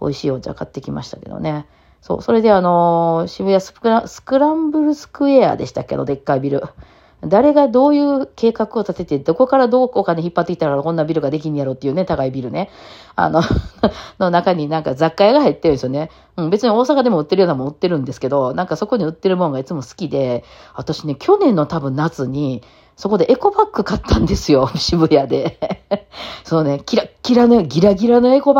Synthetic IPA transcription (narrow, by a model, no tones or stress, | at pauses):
o̰iɕiːod͡ʑa̰ːkat̪ːe̞kʲima̰ɕi̥t̪ake̞̰d̪o̰ne̞ | so̞̰ːso̞ɾe̞d̪e̞ano̞ɕiβɯjasɨ̥ɯɾasɨ̥kɯ̟ɾãmbɯ̟ɾɯ̟sɨ̥kɯ̟e̞a̰ːd̪e̞ɕi̥t̪akːea̰nod̪e̞kːaibʲiɾɯ̟ | d̪aɾe̞ɡad̪o̞ːjɯ̟ːke̞ːkakɯ̟o̞t̪at̪e̞t̪e̞d̪o̞ko̞kaɾad̪o̞ːokaneçipːat̪ːekʲi̥t̪aɾkaɾakõ̞nːabʲiɾɯ̟ɡad̪e̞k̬ʲiɲjaɾo̞ːt̪ːejɯ̟ne̞t̪akaibʲiɾɯ̟ne̞ | a̰no̞ | no̞nakaɲ̟inãŋkad͡zakːajaɡaɦait̪ːe̞ɾɯ̃nsjone̞ | ɯ̟̃ɴbe̞t͡sɨɲ̟io̞ːsakad̪e̞moɯ̟t̪ːe̞ɾɯjonamõɯ̟t̪ːe̞ɾɯ̟̃nd̪e̞sɨ̥ke̞d̪o̞nãŋkaso̞ko̞ɲ̟iɯ̟t̪ːe̞ɾɯ̟mõ̞ŋɡait͡sɨmo̞sɨ̥kʲid̪e̞at̪aɕine̞kʲo̞nẽ̞nːo̞t̪abɯ̟̃nːat͡sɨɲ̟i | so̞ko̞d̪e̞ʔe̞ko̞bakːɯ̟kat̪ːãnd̪e̞sɨjo̞ɕibɯ̟jad̪e̞ | sononekʲiɾakʲiɾanoɡʲiɾaɡʲiɾano̞e̞ko̞b